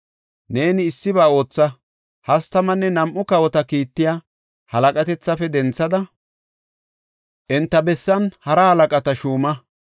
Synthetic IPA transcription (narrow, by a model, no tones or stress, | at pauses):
ne̞ːnɪːsːɪbaːo̞ːt͡sːɐ | hɐst̪ɐmɐnːɛnɐmʔʊkɐwɔt̪ɐkiːt̪ːɪja | hɐlɐkʼɐt̪ɛt͡sːɐfɛd̪ɛnt͡sːɐd̪ɐ | ʔɪnt̪ːɐbɛsːɐnhɐɾɐhɐlɐkʼɐt̪ɐʃuːmɐ